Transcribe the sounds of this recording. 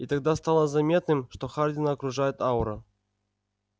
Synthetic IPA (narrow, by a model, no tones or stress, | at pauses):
it̪ɐɡ̚d̪ast̪alˠəzɐmʲet̪nɨmʂt̪oxardʲɪnɐːkɾʊʐajʊt̪awɾə